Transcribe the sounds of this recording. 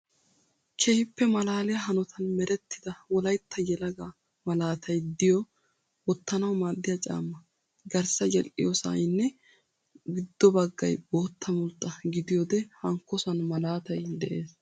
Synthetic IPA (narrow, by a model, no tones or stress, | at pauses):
kʰɛhɪpːɛmɐlaːlɛjɐɦɐnɔt̪ʰɐnmɛɾɛt̪ːɪd̪ɐwɔlɐjt̪ʰːɐjɛlɐɡaː | mɐlaːt̪ʰɐjd̪ɪjɔ | wɔt̪ːɐnɐwmaːd̪ːɪjɐt͡ʃʼa̰ːmːɐ | ɡɐɾsɐjɛlʔɪ̰josa̰jɪnːɛ | ɡɪd̪ːɔbɐɡːɐ̰jboːt̪ʰːɐmʊlt̪ʼːɐɡɪd̪ɪjɔd̪ɛhɐŋkːɔsɐnmɐlaːt̪ɐjd̪ɛʔe̞ːs